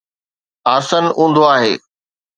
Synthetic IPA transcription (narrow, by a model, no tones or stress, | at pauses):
aːsənũːn̆d̪oaːɦeː